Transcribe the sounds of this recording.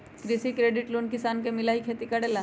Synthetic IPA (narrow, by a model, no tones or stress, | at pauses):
kɾɪsikɾeːɖɪʈloːnkɪsaːnkemɪlaːɦikʰeːt̪ikɐɽeːla